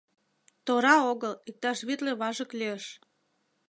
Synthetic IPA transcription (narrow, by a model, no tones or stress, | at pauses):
t̪oɾɑoɣəlik̚t̪ɑʃβet̪leβɑʒəkleəʃ